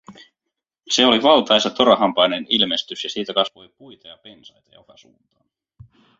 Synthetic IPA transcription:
se̞oliʋɑlt̪ɑjsɑt̪oɾɑɦɑmpɑjnenilme̞st̪ysjɑsiːt̪ækɑsʋo̞jpujt̪ɑjɑpe̞nsɑjt̪ɑjɑ̰ofɑsṵːnt̪ɑː

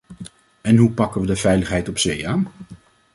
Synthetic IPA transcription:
ɛnɦupɑkəʋədəvɛjləχɦɛjtɔpsejaːn

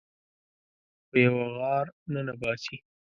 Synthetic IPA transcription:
pejawaɣɑɾnanabɑsi

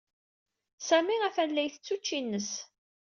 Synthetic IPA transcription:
sæmiʁæfænlːæjθət͡sːut͡ʃːinːəs

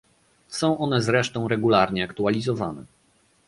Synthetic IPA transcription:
sɔ̃w̃ʔɔnɛzɾɛʂt̪ɔ̃w̃ɾɛɡulaɾɲɛakt̪ualʲizɔvanɛ̰

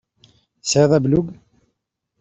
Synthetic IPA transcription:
sðˤæbluɡ

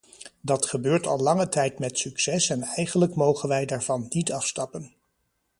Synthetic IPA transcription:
dɑtχəbøːɹtɑ̰lˠlɑŋətɛjtmɛtsyksɛsɛnɛjχənləkmowχənʋɛjdaːɹv̥ɑnːitɑfstɑpən

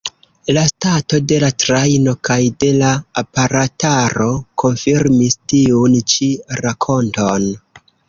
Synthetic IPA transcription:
lastato̞de̞latɾajno̞kajde̞laːpaɾataɾo̞kʰo̞nfiɾmistiunt͡ʃiɾakʰo̞nto̞n

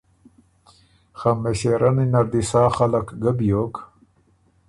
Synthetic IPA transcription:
xamːeɕeɾaninaɾd̪isaːxalakɡabjok

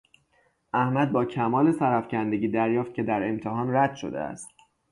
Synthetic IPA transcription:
ʔæhmæd̪̚bɒːcʰæmɒːle̞sæɾæfcænd̪e̞ɟiːd̪æɾjɒːft̪̚cʰe̞d̪æɾe̞mt̪ʰeɦɒːnræd̪̥ʃo̞̰d̪ḛæ̰st̪̚

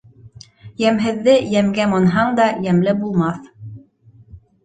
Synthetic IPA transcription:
jæmɦɘ̆ðːɘjæmɡæmonɦɑɴd̪ɑjæmlɘbulˠmɑθ

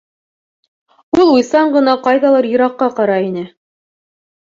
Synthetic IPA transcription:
ulˠujsɑɴɢɤ̆nɑqɑjðɑlˠɤɾjɤ̆ɾɑqːɑqɑɾɑinɘ

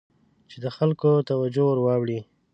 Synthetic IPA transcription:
t͡ʃed̪əxalkot̪awad͡ʒowəɾwɑwɽi

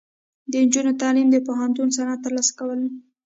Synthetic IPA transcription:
d̪ənd͡ʒunot̪ɑlimd̪əpoɦant̪unsanɑt̪əɾlɑsḁkawəl

